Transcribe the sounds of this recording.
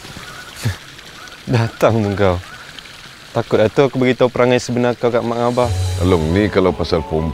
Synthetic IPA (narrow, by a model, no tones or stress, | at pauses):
dat̪aŋbəŋɡaw | t̪akʊt̪̚at̪ukəbaɡit̪aupəɾaŋajsəbənakawkaʔmaŋabaalʊŋnikalawpasalpum